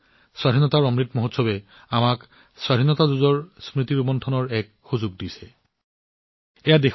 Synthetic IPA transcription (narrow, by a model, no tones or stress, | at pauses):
swadʱinɔtaɹɔmɹitmɔɦotsɔbɛ | amak | swaɾʱinɔtazuzɔɹsmɹitiɹubɔntʰɔnɔɹɛk | xuzuɡ̚disɛ | ɛjadex